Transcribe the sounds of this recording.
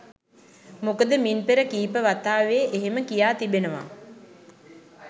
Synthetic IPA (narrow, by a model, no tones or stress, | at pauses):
mokəd̪əminpeɾəkiːpəʋat̪aːʋeʔeɦeməkijaːt̪ibenəʋa̰